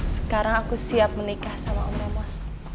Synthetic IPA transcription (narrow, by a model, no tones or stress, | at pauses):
sə̥kaɾaŋakusiap̚mənikahsama̰ʔumɛmɔs